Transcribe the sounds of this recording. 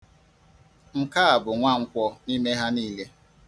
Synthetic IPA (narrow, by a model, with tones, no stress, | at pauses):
ŋ̩˦ka˦a˨bʊ˨ŋʷa˦˨ŋ̩˦kʷɔ˦ni˦me˦ɦa˦niː˦le˦